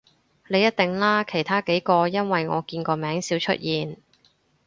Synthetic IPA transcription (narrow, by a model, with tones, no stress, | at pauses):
le˨˧jɐ˥t̚t̪ɪ˨ŋlaː˥kʰe˨˩jt̪ʰaː˥ke˨˥jkɔː˧jɐ˥nwɐ˨jŋɔː˨˧kiː˧nkɔː˧mɛː˨˥ŋsiː˨˥wt͡ʃʰɵ̰˥t̚jiː˨n